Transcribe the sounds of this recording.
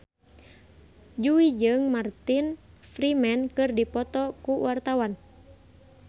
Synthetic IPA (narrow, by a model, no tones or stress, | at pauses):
d͡ʒuid͡ʒɨŋmart̪infrimɛnkɨrdipɔt̪ɔkuwart̪awan